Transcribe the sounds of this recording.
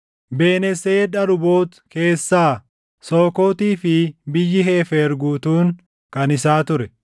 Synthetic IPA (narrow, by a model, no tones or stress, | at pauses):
beːnɛseːᶑɐɾʊbo̞ːt̪ke̞ːsːaː | soːko̞ːt̪iːfɪbɪjːɪɦeːfeɾɡuːt̪uːŋ | kɐnɪsaːt̪ʊɾɛ